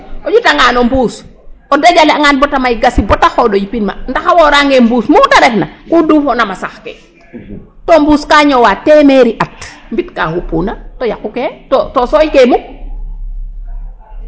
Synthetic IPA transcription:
ʔoɟutaŋaːnombuːsɔdaɟaleaŋanbɔtamajɡasibɔtaxodojipinma̰ndaxawoɾaŋɡembuːsmutaɾeknakuduːfonamasaxkḛ | tombuːskaːɲɔwateːmeɾiʔatmbitkahupunatɔjakuketɔtɔsɔjkemu

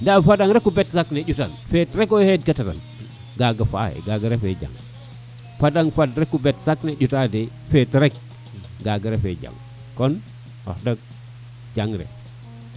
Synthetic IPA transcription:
ndafadaŋɾekːubetsakneɟutanfetɾekojhed̚katata̰n | ɡaɡafa̰ḛɡaɡaɾefḛd͡ʒa̰ŋ | fadaŋfadɾekːubetsakneɟutade | fetɾek̚ | ɡaɡaɾefḛd͡ʒa̰ŋ | kon | o̰hdak̚ | d͡ʒaŋɾḛ

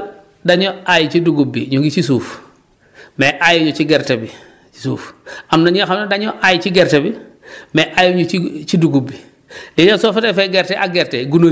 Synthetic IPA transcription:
daɲoajit͡ʃiduɡubːḭɲuŋɡit͡ʃisuːf | meʔajuɲot͡ʃiɡeɾtebi | t͡ʃi̥suːfamnaɲxamodaɲoʔajit͡ʃiɡeɾtebi | meʔajuɲoit͡ʃiduɡubːi | dɛɲosofetefeɡeɾteʔaɡeɾteɡuno

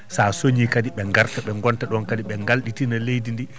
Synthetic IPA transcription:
sasoɲikadiɓɛŋɡaɾtaɓɛŋɡɔntaɗɔnkadiɓɛŋɡalɗitinalejdindi

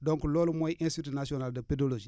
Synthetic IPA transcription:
dõŋkulolumoiʔĩnstitunasionaldəpedolod͡ʒi

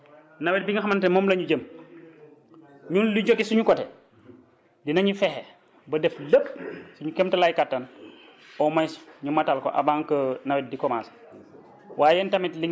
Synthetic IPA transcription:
nɐwɛt̚biŋɡɐxɐmɐntɛmɔːmlɐɲuɟəm | ɲunliɟɔɡɛsuɲukɔtɛ | dinɐɲufɛxɛ | bɐdɛfləpːsuɲukɛmtɐlajkatːɐn | ɔmɐj̥ɲumɐtalkɔ̰ʔɐ̰baːŋkənɐwɛt̚dikɔmas | waːjɛntɐmitliŋ

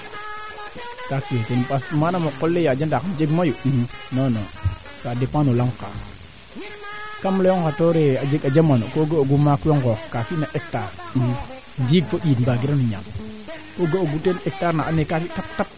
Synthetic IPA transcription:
taketenpasmanamokːolːejad͡ʒandakd͡ʒeɡmajoɗunono | sadepanolaŋka̰ | kamlooŋkatoɾead͡ʒeɡad͡ʒamanokoɡaoɡumakoŋkokkafinaʔek̚taɾɗu | ndiɡfoɗiːtmbaɡiɾanoɲa̰m | koɡaoɡutenek̚taɾnaanekafitap̚tap̚

